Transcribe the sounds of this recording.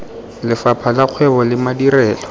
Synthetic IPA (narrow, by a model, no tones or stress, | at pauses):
lɪfapʰalaq͡χʰwɛbɔlɪmadirɛːlɔ